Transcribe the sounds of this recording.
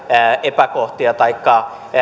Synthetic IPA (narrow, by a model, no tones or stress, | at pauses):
ʔepækoht̪iɑt̪ɑikːɑ